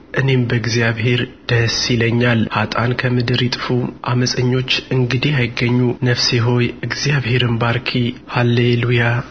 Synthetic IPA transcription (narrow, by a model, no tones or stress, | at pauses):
ʔɨne̞mbəɡzijaβhe̞ɾd̪̥əsiləɲːalhat̪ʼankʰəmɨd̪ɨɾit̪ʼfuʔa̰məsʼəɲːo̞t͡ʃːʔɨŋɡɨd̪ijajɪɡːəɲːunəfsiɦo̞jɨɡzijaβhe̞ɾɨmbaɾkʰihalːeluja